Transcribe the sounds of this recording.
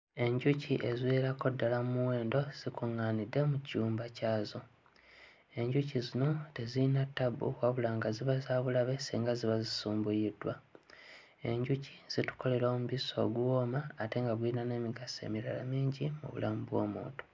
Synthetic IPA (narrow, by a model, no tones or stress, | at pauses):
e̞ɲɟuciʔezweːɾako̞dːalamumuwe̞ːndo̞z̥ikuŋːaːnidːe̞mucuːmbacaːzo̞ | e̞ɲɟucizino̞te̞ziinatːabːṵkwaβulaːŋɡaziβazaːβulaβe̞siːŋɡaziβazisuːmbujidwa | e̞ɲɟuci̥z̥itu̥ko̞le̞ɾoːmuβiso̞̰ːɡuwo̞ːmaːte̞ŋɡaβwinane̞ːmiɡase̞̰miɾala̰miːɲɟimṵβṵlamubwo̞̰ːmo̰ːto